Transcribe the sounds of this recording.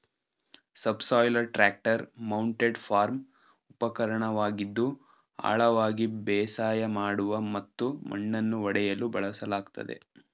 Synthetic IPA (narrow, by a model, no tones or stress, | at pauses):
sɐbsɔːjlɐɾʈɾaːk̚ʈɐɾmɐwɳʈeɖfʰaːɾm | upɐkɐɾɐɳɐʋaːɡid̪ːu | a̰ːɭɐʋaːɡibɛːsaːjɐmaːɽuʋɐmɐt̪ːumʔɐ̰ɳːɐnːuʋɐɽɛjɐlubɐɭɐsɐlaːɡt̪ɐ̰d̪ḛ